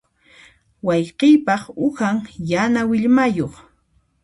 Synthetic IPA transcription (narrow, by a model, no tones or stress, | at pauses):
wɑjqɪjpɑχʊxaŋjanawɪʎmajoχ